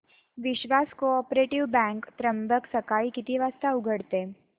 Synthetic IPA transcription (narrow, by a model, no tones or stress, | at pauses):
ʋɪɕʋaskoɔpɾeʈiʋbɛ̃ŋkt̪ɾəmbəksəkaikit̪iʋast̪auɡʱəɽt̪e